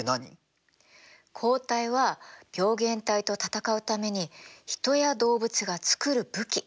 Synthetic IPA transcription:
naɲḭ | kʰo̞ːt̪aiβab̥ʲjo̞ːɡẽ̞nt̪ait̪o̞t̪at̪akaɯ̟t̪ame̞ɲ̟içi̥t̪o̞jad̪o̞ːbɯ̟t͡sɨɡat͡sɨ̥kɯ̟ɾɯ̟bɯ̟kʲi

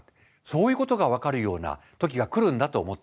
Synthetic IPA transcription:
so̞ːjɯ̟ːko̞t̪o̞ɡaβ̞akaɾɯ̟jo̞ːna̰ | t̪o̞kʲiɡakɯ̟ɾɯ̟̃nd̪at̪o̞ːmo̞t̪ː

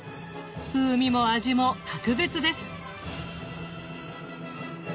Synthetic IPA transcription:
ɸɯːmʲimo̞aʑimo̞t̪akɯ̟be̞t͡sɨd̪e̞sɨ̥

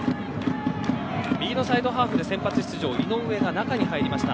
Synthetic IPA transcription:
bʲiːno̞said̪o̞ɦaːɸɯ̟d̪e̞sẽ̞mpat͡sɨ̥ɕi̥t͡sɨʑo̞ːinõ̞ɰ̃ɯ̟e̞ɡanakaɲ̟iɦaiɾʲimaɕi̥t̪a̰

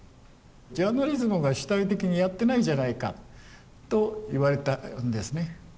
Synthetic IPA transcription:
d͡ʑaːnaɾʲizɨmɯ̟ɡaɕi̥t̪ait̪̬e̞kʲiɲ̟ijat̪ːe̞naid͡ʑanaika̰ | t̪o̞iβaɾe̞t̪and̪e̞sɨne̞

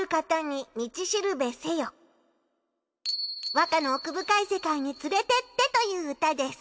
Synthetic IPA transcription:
ɯ̟kat̪aɲ̟imʲit͡ɕiɕiɾɯ̟be̞se̞jo | βakano̞ːkɯ̟bɯ̟kaise̞kaiɲ̟it͡sɨɾe̞t̪e̞t̪ːe̞t̪o̞jɯ̟ːɯt̪ad̪e̞sɨ̥

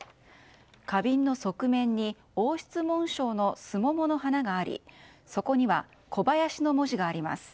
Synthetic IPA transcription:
kabʲĩnːo̞so̞kɯ̟mẽ̞ɲ̟ːi | o̞ːɕi̥t͡sɨmõ̞ɰ̃ɕo̞ːno̞sɨmo̞mo̞no̞hanaɡaːɾʲḭ | so̞ko̞ɲ̟iβa | kʰo̞bajaɕino̞mo̞ʑiɡaːɾʲima̰sɨ̥

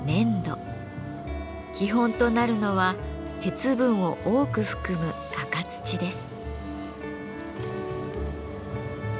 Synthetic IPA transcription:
nẽ̞nd̪o̞̰ | kʲiɦõ̞nt̪o̞naɾɯ̟no̞βa | t̪e̞t͡sɨbɯ̟̃ɰ̃o̞ʔoːkɯ̟ɸɯ̟̥kɯ̟mɯ̟ɡakat͡sɨ̥t͡ɕid̪e̞sɨ̥

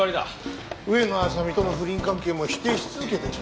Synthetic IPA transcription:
aɾʲid̪a̰ | ɯ̟e̞noas̬amʲit̪onoɸɯ̟ɾʲĩŋkãŋke̞ːmoçi̥t̪ːe̞ɕi̥t͡sɨzɨke̞t̪e

